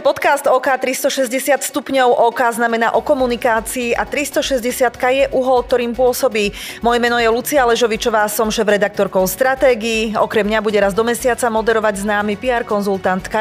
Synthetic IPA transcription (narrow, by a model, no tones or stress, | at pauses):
pɔt̪kast̪ɔːkaːt̪ɾist̪ɔʃɛzɟɛsɪat̪st̪upɲɔʊʔɔːkaːznamɛnaːʔɔkɔmunikaːt͡siːʔat̪ɾist̪ɔʃɛzɟɛsɪat̪kajɛʔuɦɔlk̚t̪ɔɾiːmpʊɔsɔbiː | mɔjɛmɛnɔjɛlut͡sialɛʒɔʋit͡ʃɔʋaːsɔmʃɛːvɾɛd̪ak̚t̪ɔɾkɔʊst̪ɾat̪ɛːɡiːɔkɾɛmɲabuɟɛɾazd̪ɔmɛsɪat͡samɔd̪ɛɾɔʋaɟznaːmipiaɾkɔnzulˠt̪ant̪ka